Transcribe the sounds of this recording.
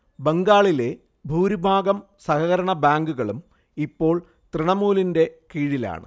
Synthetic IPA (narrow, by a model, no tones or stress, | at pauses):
beŋɡaːɭile̞ | bʱuːɾibʱaːɡɐm | sɐkɐɣɐɾɐɳɐbaːŋɡuɣɐɭum | ipːo̞ːɭ | t̪riɳɐmuːlinde̞kiːɻila̰ːɳɨ̰